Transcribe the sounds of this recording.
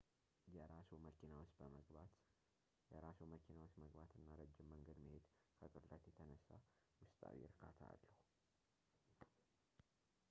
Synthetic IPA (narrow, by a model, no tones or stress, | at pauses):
jɛɾasuməkʰinawsət̪ | jɛɾasuməkʰinawosməɡbat̪ʰɨnːaɾəd͡ʒːɪmːəŋɡəd̪məhed̪ | kʰək̪ʼɨɾlət̪jɛt̪ʰənəsːa | wʊst̪ʼa̰wḭɾkʰa̰t̪ʰa̰ːlːəhu